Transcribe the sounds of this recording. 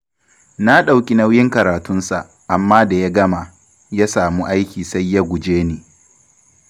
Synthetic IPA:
na˦ɗa˨wkʲʼi˨na˦wjɪ˦ŋkɐ˨ɾaː˨tʊ˦nsa˨ʔ | ʔa˨mːaː˦da˨ja˦ɡɐ˦ma˨ | jaː˦saː˨muː˦ʔa˦jkʲiː˨sa˦jːa˦ɡʷʊ˨d͡ʒeː˦niː˨

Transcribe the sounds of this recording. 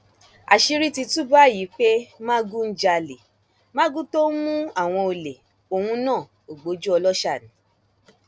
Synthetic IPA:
a̰˨ʃi˧ɾi˦ti˧tu˦ba˦ji˨˦k͡pe˦mã˦ɡu˦n̩˦d͡ʒa˧le˨ | mã˦ɡũ˦to˦mũ˦a˦˨w̃ɔ̃˧o˧le˨ | o˨hũ˧nãː˦˨ | o˨ɡ͡bo˨˦d͡ʒu˦ɔ˧lɔ˦ʃa˦˨nĩ˨˦

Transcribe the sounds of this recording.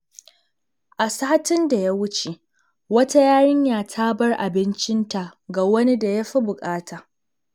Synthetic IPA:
ʔa˨saː˦tɪ˦nda˨ja˦wʊ˦t͡ʃe˨ | wɐ˦ta˦jaː˦ɽɪ˦ɲjaː˨tʰa˦bɐ˦rʔa˨bɪ˦nt͡ʃɪ˦nta˨ɡaː˨wɐ˦ni˦da˨ja˦ɸi˦bʊ˨kʼaː˦tʰaː˨

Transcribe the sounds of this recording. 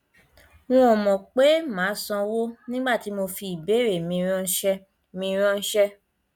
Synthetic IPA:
w̃ɔ̃˦ɔ˨mɔ̃˨k͡pe˨˦mãː˨˦sɔ̃˧wo˦nĩ˦ɡ͡ba˦˨ti˨˦mo˧fi˧i˨be˨˦˨ɾe˨mĩ˧ɾ̃ɔ̃˧n̩˦ʃɛ˧ | mĩ˧ɾ̃ɔ̃˧n̩˦ʃɛ˦

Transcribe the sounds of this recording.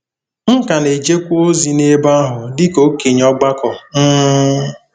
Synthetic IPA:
ŋ̩˦ka˨ne˨d͡ʒe˦kʷu˦o˦zi˨ne˦ba˦ɦʊ˨dɪ˦ko˦ke˨ɲɔ˦ɡ͡ba˦kɔ˨n̩˦

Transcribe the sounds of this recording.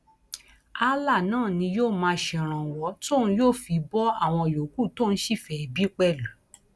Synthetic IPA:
a˦la˦˨nãː˦˨nĩ˧joː˦˨mãː˧˦ʃɛ˧˨ɾ̃ã˨wɔ˧˦to˦˨ñ̩˧˦joː˦˨fi˧bɔ˦a˦˨w̃ɔ̃˧˨jo˨ku˦˨to˦˨n̩˦ʃi˦˨fɛ˧i˧bi˦k͡pɛ˦˨lu˨

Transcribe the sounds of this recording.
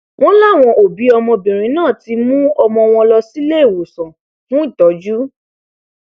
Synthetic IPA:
w̃ɔ̃˦la˦˨w̃ɔ̃˧ʔo˨bi˨˦ɔ˧mɔ̃˧bĩ˨ɾ̃ĩ˨˦nãː˦˨ti˧mũ˦ɔ˧mɔ̃˧w̃ɔ̃˧lɔ˧si˦le˦e˦˨wo˨sɔ̃˨ | fũ˨˦i˦˨tɔ˨˦d͡ʒu˦

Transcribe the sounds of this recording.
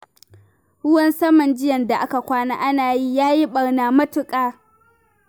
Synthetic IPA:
hʊ˦wɐ˦nsɐ˦mɐ˨nd͡ʒɪ˦jɐ˨nda˨ʔa˦ka˨kʷaː˦naː˦ʔa˦naː˨ji˦jaː˦ji˦ɓɐ˨ɽnaː˨mɐ˦tʊ˨kʼaː˦

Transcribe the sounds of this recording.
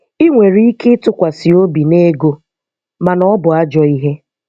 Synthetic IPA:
i˦ŋʷe˨ɾi˦i˦ke˦tʊ˦kʷa˨si˨o˦bi˨ne˦ɡo˦ | ma˨nɔ˦bʊ˨a˦d͡ʒɔ˨i˦ɦe˦

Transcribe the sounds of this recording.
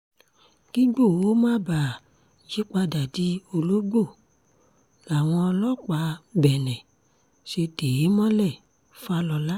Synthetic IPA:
ɡ̥i˦ɡ͡bo˦˨o˦mãː˦˨ba˨ | ʃi˦k͡pa˧da˨di˨˦o˧lo˦ɡ͡bo˦˨ | la˨w̃ɔ̃˧ɔ˧lɔ˦k͡pa˨˦bɛ˨nɛ̃˨ | ʃe˧te˨je˨˦mɔ̃˦lɛ˦˨ | fa˧˦lɔ˧la˦

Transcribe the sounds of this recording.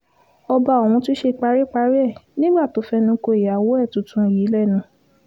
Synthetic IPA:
ɔ˧ba˧o˨wũ˧ti˦ʃe˧k͡pa˧ɾi˦k͡pa˧˦ɾi˦ɛ˦˨nĩ˦ɡ͡ba˦˨to˨˦fɛ˧nũ˧˦ko˧e˨ja˨wo˨˦ɛ˦˨tũ˨˦tũ˧˨jiː˨˦lɛ˦˨nũ˨˦

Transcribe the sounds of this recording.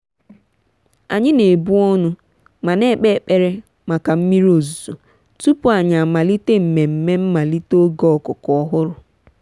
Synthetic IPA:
a̰˨ɲɪ˦ne˨bu˦ɔ˦nʊ˦ | ma˨ne˦k͡pe˦˨k͡pe˨ɾe˦ | ma˨ka˨m̩˦mi˦ɾo˨zu˨zu˨ | tu˦pʊ˦a˨ɲa˨a˨ma˨li˦te˦m̩˨me˨m̩˨me˦m̩˦ma˨li˦to˦ɡɔ˦˨kʊ˨kɔ˦ɦʊ˦ɾʊ˨

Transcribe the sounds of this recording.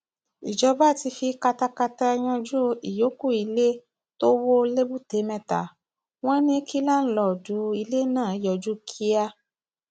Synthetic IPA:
i˨d͡ʒɔ˧ba˦˨ti˧fi˧ka˧ta˧ka˧ta˧ɛ˧j̃ɔ̃˧d͡ʒu˦i˨jo˨˦ku˦˨i˧le˦ | to˦wo˦le˦bu˦˨te˨˦mɛ̃˧ta̰˨ | w̃ɔ̃˦nĩ˦kʰi˦la˦n̩˦lɔ˨du˨˦i˧le˦nãː˦˨˦jɔ˨d͡ʒu˦kʰi˦a˦˧

